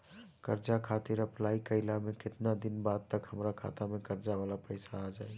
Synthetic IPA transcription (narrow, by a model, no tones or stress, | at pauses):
kəɾd͡ʒakʰat̪ɪɾəplaikəɪlamẽkɪt̪nad̪ɪnbad̪̚t̪əkɦhəmɾakʰa̰t̪amẽkəɾd͡ʒaʋalapəɪsaːd͡ʒaːi